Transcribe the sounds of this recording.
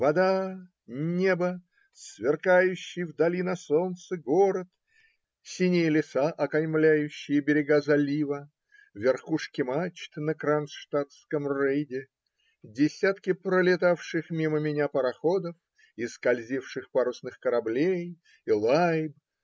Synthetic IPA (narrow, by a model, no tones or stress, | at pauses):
vɐd̪a | nʲe̞bə | svʲɪrkajʉɕːɪjvd̪ɐlʲinɐso̞nt̪sɨɡoɾət̪ | sʲinʲɪjəlʲɪsaʔɐkɐjmlʲæjʉɕːɪjəbʲɪɾʲɪɡazɐlʲivə | vʲɪrxuʂkʲɪmat͡ɕt̪ɨnəkɾansʂt̪at̪skəmrejdʲɪ | dʲɪsʲat̪kʲɪpɾəlʲɪt̪afʂɨxmʲiməmʲɪnʲapəɾɐxo̞d̪əf | ɪskɐlʲzʲifʂɨxpaɾʊsnɨxkəɾɐblʲej | ilˠajb